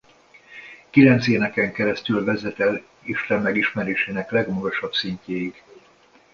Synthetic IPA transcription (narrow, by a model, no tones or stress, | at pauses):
kilɛnt̪seːnɛkɛŋkɛɾɛst̪ylvɛzɛt̪ɛl | iʃt̪ɛmːɛɡiʃmɛɾeːʃeːnɛklɛɡmɒɡoʃɒbpsiɲceːjiɡ̥